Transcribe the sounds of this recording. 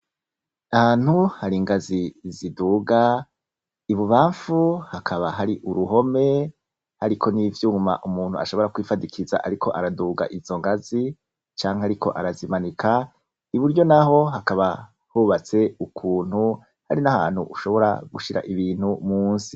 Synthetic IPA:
ahaːn̥huhaɾiŋɡaziziduɡa | iβuβaːɱfuhakʰaβaɦaɾiʔuɾuɦo̞me̞ | haɾikʰo̞nivjuːuma̰ʔumuːn̥hua̰ʃo̞βo̞ɾakwiːfadikʰiza̰ʔaɾikʰo̞ʔaɾaduːɡa̰ʔizo̞ŋɡazi | t͡ʃaːŋheaɾikʰo̞̰ʔaɾazimanikʰa | iβuɾɟo̞naɦo̞ɦakaβa | huːβat͡se̞ukʰuːn̥hu | ha̰ɾinaha̰ːn̥huʔuʃo̞βo̞ɾa̰ɡuʃiɾa̰ʔiβiːnhumuːnsi

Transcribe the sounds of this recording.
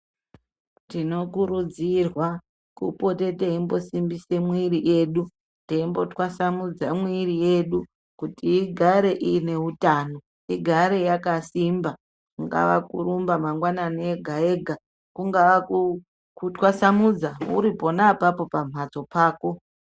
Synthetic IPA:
tino̞kuɾud͡zirwa | kṵpo̞te̞teimbo̞simbise̞mwiɾiʔe̞ːɗu | teimbo̞twasamud͡zamwirije̞ɗu | kutiːɡʱaɾe̞ʔiːne̞utaːno̞ | iɡʱaɾe̞jakasimba | kŋɡa̰ʋa̰kuɾumbamaŋɡwananeɡʱae̞ɡʱa | kuŋɡaʋa | kutwasamud͡zaṵɾipo̞napapo̞pam̤at͡so̞paːko̞

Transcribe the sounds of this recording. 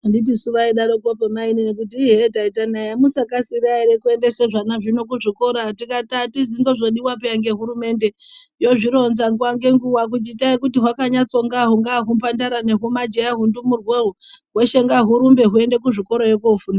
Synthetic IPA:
andit̬isuʋaiɗaɾokopemaininek̬ut̬iːɦe̞taitanajamusakasiɾaiɾekue̞ndese̞ʐanaʐino̞k̬uʐiko̞ɾatikatatizindo̞ʐoɗiwap̬ejaŋɡe̞ɦuɾume̞ːnde | jo̞ʐiɾo̞nzaŋɡuwaŋɡe̞ŋɡuwak̬ut͡ʃitaikutiɦwakaɲat͡so̞ŋɡaɦuŋɡaɦumpandaɾane̞ɦumad͡ʒejaɦundumurweɦuɦweʃeŋɡaɦuɾumbe̞ɦue̞nde̞kuʐiko̞ɾojekuufuna

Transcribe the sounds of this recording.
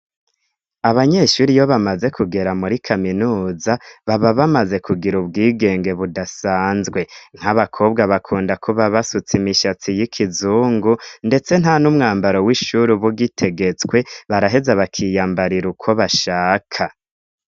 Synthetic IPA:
aβaɲe̞ʃuɾijo̞βamaze̞kʰuɡe̞ɾamuɾikʰaminuːzaβaβaβamaze̞kʰuɡiɾubɡiːɡe̞ːŋɡe̞βudasaːnzɡwe̞ŋ̥haβakʰo̞ːbɡaβakʰuːndakʰuβaβasut͡simiʃat͡sijikʰizuːŋɡunde̞t͡se̞n̥hanumŋaːmbaɾo̞wiʃuɾiβuɡitʰe̞ɡe̞t͡sɡwe̞βaɾaɦe̞zaβakʰijaːmbaɾiɾukʰo̞βaʃaːkʰa

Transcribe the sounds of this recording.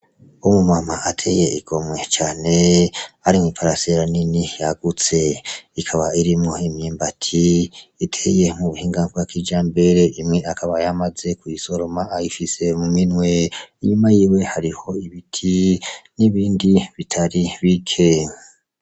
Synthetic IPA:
umumamaʔatʰe̞jeiɡ̥o̞mwe̞t͡ʃaːne̞aɾimŋipʰaɾaseɾaninijaɡ̥ut͡se̞ikʰaβaiɾimŋo̞imjiːmbatʰiitʰeje̞muβuhiːŋɡavɡakʰid͡ʒaːmbe̞ɾe̞ʔimŋe̞akʰaβajamaze̞kuiso̞ɾo̞maːjifise̞muminwe̞iɲumajiːwe̞haɾiho̞iβitʰiniβiːndiβitʰaɾiβikʰe

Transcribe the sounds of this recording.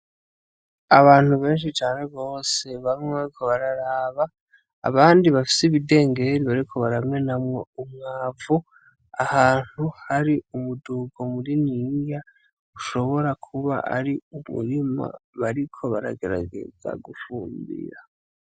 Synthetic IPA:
aβaːn̥huβe̞ːnʃ̬it͡ʃaːne̞βo̞ːse̞βammŋaɾikʰoβaɾaɾaːβa̰ː | βaːndiβafi̥siβide̞ːŋɡe̞ɾiβaɾikʰo̞βaɾamŋe̞namŋeumŋaːvu | ahaːn̥huhaɾiumuduɡo̞muɾinija | uʃo̞βo̞ɾakʰuβa̰ʔa̰ɾiumṵɾima̰βaɾikʰo̞βaɾa̰ɡe̞ɾa̰ɡe̞̰za̰ɡufuːmbḭɾa

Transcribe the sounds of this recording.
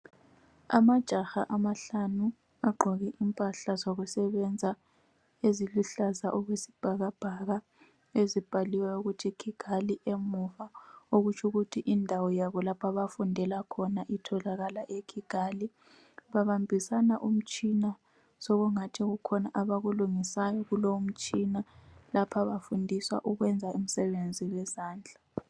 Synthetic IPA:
a̰mad̥ʒ̥ʱaxaʔamaɬanu | aɡ͡ǃʱɔɣiʔimpʼaɬazoɣusɛβɛnd͡zʱa | eziluɬazaʔɔɣwesi̥b̥ʱaɣab̥ʱaɣa | ezib̥ʱaliwɛuɣutʰikʰiɡ̥ʱaliʔemuvauɣut͡ʃʰuɣutʰiʔindʱawɔjaβɔlapʰaβafundʱɛlakʰɔnaʔitʰɔlaɣalaʔekʰiɡ̥ʱaːli | βaβambʱisanaʔum̩t͡ʃʼina | sɔɣuŋatʰiɣukʰɔnaʔaβaɣuluŋisajɔɣulowum̩t͡ʃʼinalapʰaβafundʱiswa̰ʔuɣwɛnd͡zʱaʔum̩sɛβend͡zʱiwɛzaːnd͡ɮʱa

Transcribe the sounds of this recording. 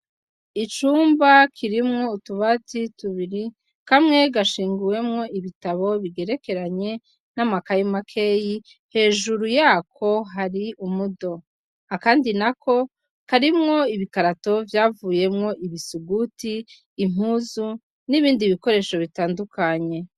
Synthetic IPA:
it͡ʃuːmbakʰiɾimŋo̞utuβatituβiɾi | kamŋe̞ɡaʃiːŋɡuwe̞mŋo̞iβitaβo̞βiɡe̞ɾe̞ke̞ɾaɲe̞ | namakajimakʰe̞ji | he̞ːʒuɾujaːkʰo̞ɦaɾiʔumudo̞ | hakaːndinakʰo̞ | kaɾimŋo̞iβikaɾato̞vjaːvuːje̞mŋo̞ʔiβisuɡutiː | m̥uzu | niβiːndiβiko̞ɾe̞ːʃo̞βitaːndukʰaɲe̞

